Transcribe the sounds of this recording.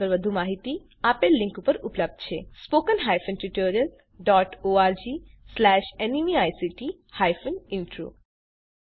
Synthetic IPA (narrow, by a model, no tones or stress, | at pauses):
əɾbəd̪ʱumaɦit̪i | apeɾliŋkupəɾupləb̚d̪t͡ɕʰespokənɦajfənʈiʈoɾiəl | ɖɔʈoaɾd͡ʑi | slɛʃenimiajsiʈi | hajfʰuniɳʈɾṵ